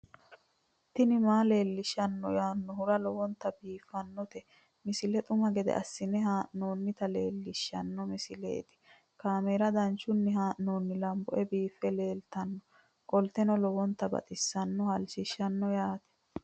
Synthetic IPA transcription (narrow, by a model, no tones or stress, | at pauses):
t̪ɪnɪmaːle̞ːlːɪʃɐnːɔjaːnːɔhʊɾɐlɔwɔnt̪ːɐbiːfːɐnːɔt̪ɛ | mɪsɪlɛt̪ʼʊmɐɡɛd̪ɛ̰ʔɐsːɪnɛhaːʔnoːnːɪt̪ɐleːlːɪʃːɐnːɔmɪsɪlḛːt̪ɪ̥ | kaːmeːɾɐd̪ɐnt͡ʃːʊnːɪɦaːʔnoːnːɪlɐmbɔ̰ʔɛbiːfɛle̞ːlt̪ɐnːɔ | kʼɔlt̪ɛnɔlɔwɔnt̪ːɐbɐ̰t̪ʼɪsːɐnːɔhɐlt͡ʃɪʃːɐnːɔjaːt̪ɛ̥